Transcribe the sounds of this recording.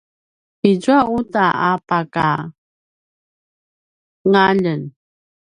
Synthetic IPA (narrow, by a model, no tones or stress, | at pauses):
id͡ʑuautaapaka̰ | ŋaʎən